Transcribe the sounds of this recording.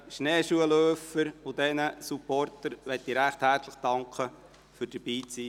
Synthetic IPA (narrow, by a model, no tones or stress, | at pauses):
ʃnɛːʃuəløːfəɾʊdɛnəsupɔrtəɾʋɛt̪̚diːɾɾæχthæɾt͡sləχd̥ɑŋkʰə | fyːɾd̥əɾb̥iːt͡siː